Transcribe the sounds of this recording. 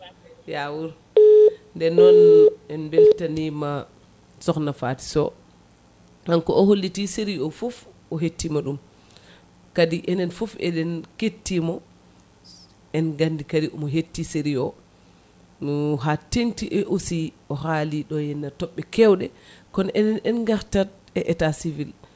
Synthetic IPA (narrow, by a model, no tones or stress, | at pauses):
jawuɾ | ndɛnɔnːɛnbɛltanima | sɔknafati̥sɔ̰ | hankɔɔholːitiseɾiɔfuf | ɔɦetːimaɗum | kadiʔɛnɛnfufɛ̰dɛnketːimɔ | ʔɛnɡandikadiʔɔmɔɦetːiseɾiɔ | nɔɦatentiʔɛʔosiʔɔɦaliɗɔjɛnːatɔɓːɛkɛwɗɛkɔnʔɛnɛnɛnɡaɾtat | ɛʔɛtasivil